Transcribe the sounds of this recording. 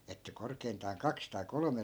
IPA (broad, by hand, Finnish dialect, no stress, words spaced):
etːæ korkeintɑːn kɑks tɑi kolome